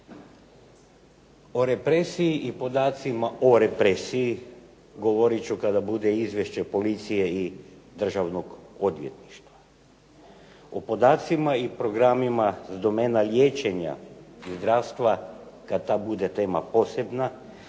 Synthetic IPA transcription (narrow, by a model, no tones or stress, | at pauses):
oɾe̞pɾesiiʔipo̞d̪aːt̪simaʔoɾe̞pɾesii | ɡo̞ʋoɾit͡ɕukad̪abud̪eizʋje̞ʃt͡ɕepo̞lit̪sijeid̪r̩ʒaʋno̞ɡo̞d̪ʋʲje̞t̪ni̥ʃt̪ʋa | opo̞d̪aːt̪simaipɾo̞ɡɾamimazd̪o̞meːnalʲjeːt͡ʃe̞ɲa̰izd̪ɾaːʋst̪ʋakad̪̚t̪aːbud̪e̞t̪e̞ːma̰po̞sebna